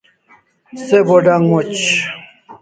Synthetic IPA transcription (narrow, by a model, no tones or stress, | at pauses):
seboɖaŋmot͡ɕ